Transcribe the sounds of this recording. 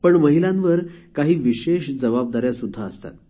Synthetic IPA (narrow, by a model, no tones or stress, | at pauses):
pəɳməɦilãnʋəɾkaɦiːʋiɕeɕd͡zəʋab̚d̪aɾjasud̪ʱːaəst̪a̰t̪